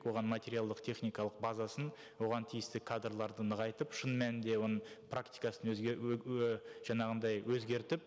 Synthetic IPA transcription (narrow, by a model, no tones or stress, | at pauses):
kwo̞ʁɑnmat̪ʲe̞ɾʲijalˠd̪əqt̪ʰe̞χnʲijkɑlˠəqbɑzɑsən | wo̞ʁɑnt̪ʰijɪst̪ɪkʰad̪rlˠɑɾd̪ənəʁɑjt̪əpʃənmænɪnd̪e̞wo̞nəɴpʰrakt̪i̥kɑsən | ʒ̥ɑɴɑʁənd̪ɑjwɵzɡʲe̞ɾt̪ɪp